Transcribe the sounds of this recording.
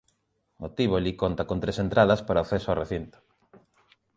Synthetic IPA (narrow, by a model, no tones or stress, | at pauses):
mot̪iβolikont̪akont̪ɾesent̪ɾaðɐspaɾaoθesoareθint̪o̥